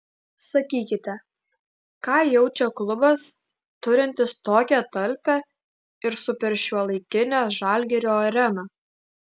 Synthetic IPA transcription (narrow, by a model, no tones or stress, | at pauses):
sɐkʲiːkʲɪt̪ʲɛ | kɑːjɛʊt͡ʃʲɛklˠʊbɐs | t̪ʊɾʲɪnʲt̪ʲɪst̪oːkʲɛt̪ɐlʲpʲɛ | ɪɾsʊpʲɛɾʲʃʲuɔlˠɐɪkʲɪnʲɛʒɑːˑlʲɡʲɛɾʲoːɐɾʲɛnɑ